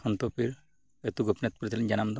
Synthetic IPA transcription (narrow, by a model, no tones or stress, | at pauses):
kʰɔnt̪ɔpiɾ | et̪uɡupnɛt̪̚puɾit̪ʰilɛɲd͡ʒanamd̪ɔ